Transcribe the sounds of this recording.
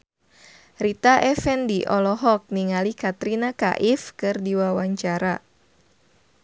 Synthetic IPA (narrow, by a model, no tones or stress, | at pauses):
rit̪aʔɛfɛndiʔɔlɔɦɔk̚niŋalikat̪ɾinaka̰ʔɪfkɨrdiwawaɲt͡ʃaɾa